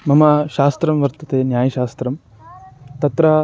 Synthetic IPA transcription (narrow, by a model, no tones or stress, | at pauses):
mɐmɐʃaːst̪ɾɐmʋɐɾt̪ɐt̪eːnjaːjɐʃaːst̪ɾɐm | t̪ɐt̪ɾɐ